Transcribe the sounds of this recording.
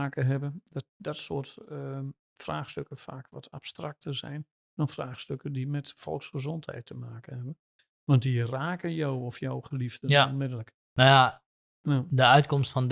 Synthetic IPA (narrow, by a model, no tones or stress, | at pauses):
aːkəɦɛbəndɔt̚dɔtsoːrt | fraːxstøkəfaːkʋɔtʰa̰pstrak̚tərzɛ̰jn | d̥ɔnfraːxstøkədimɛtfɔ̰lˠksχəzɔnthɛ̰jtʰːəmaːkənhɛbən | ʋɑnt̚diraːkənjowɔfjowχəlivdənɔnmɪdələk | noja | ndəœɥtkɔmstfɔnd